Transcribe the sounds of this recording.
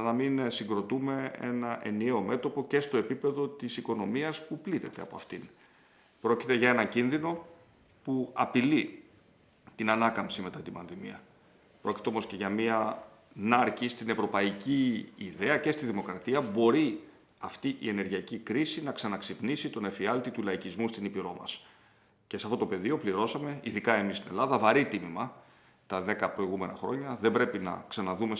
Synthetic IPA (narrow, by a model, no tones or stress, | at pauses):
nɐminsiŋɡɾo̞t̪ume̞e̞̰nɐʔe̞̰nieo̞me̞t̪o̞po̞ce̞st̪o̞e̞pipe̞ðo̞t̪isiko̞no̞miɐspuplit̪e̞t̪e̞ɐ̰po̞ɐft̪in | pɾo̞ci̥t̪e̞ʝɐe̞nɐcinðino̞ | puɐpili | t̪inɐnɐkɐmpsime̞t̪ɐt̪ibɐnðimiɐ | pɾo̞cit̪e̞o̞mo̞sce̞ʝɐmiɐ | nɐɾcist̪ine̞vɾo̞pɐiciːðe̞ɐce̞st̪iðimo̞kɾɐt̪iɐbo̞ɾi | ɐft̪iʔḭe̞ne̞ɾʝiɐcikɾisinɐksɐnɐksipnisit̪o̞nefiɐlt̪it̪ulɐicizmust̪inipiɾo̞mɐ̰s | ce̞seɐft̪o̞t̪o̞pe̞ðio̞pliɾo̞sɐme̞iðikɐe̞mist̪ine̞̰lɐðɐvɐɾit̪imimɐ | t̪ɐðe̞kɐpɾo̞iɣume̞nɐxɾo̞̰ɲɐðembɾe̞pinɐ̰ksɐnɐðume̞